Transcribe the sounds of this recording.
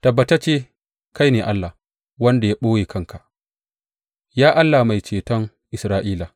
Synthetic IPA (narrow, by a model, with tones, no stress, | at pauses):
tɐ˨bːɐ˨˦ta˦t͡ʃeː˦ | ka˦jneː˨ʔa˦lːa˨ | wɐ˦nda˨ja˦ɓoː˦jeː˨kɐ˦˨ŋkʰa˨ʔ | jaː˦ʔa˦lːa˨ma˨jt͡ʃeː˨tɐ˦ŋ | ʔɪ˨sɾaː˦ʔiː˦la˨